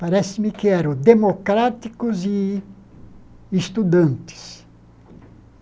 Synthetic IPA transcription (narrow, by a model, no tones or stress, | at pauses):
paɾɛsɪmɪkɪɛɾɐ̃d̪emokɾat̪ikʊzɪ | est̪ud̪ɐ̃nt̪ɪ̥s